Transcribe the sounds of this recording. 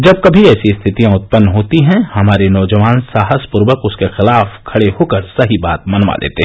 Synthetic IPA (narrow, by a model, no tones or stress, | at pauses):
d͡ʒɐb̚kɐbʱiɛːsiɪst̪ʰɪt̪ijãʊt̪̚pənːɦoːt̪iɦɛ̃hɐmaːɾenɔːd͡ʒəʋaːnsaːɦəspʊɾʋəkʊskexɪlaːfkʰɐɽeɦoːkəɾsɐɦibaːt̪mɐnʋa̰lḛːt̪e